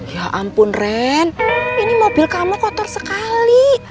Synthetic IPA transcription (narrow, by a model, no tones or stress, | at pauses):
jaʔampʊnrɛninimob̥ilkamɔkɔt̪ɔrsəkali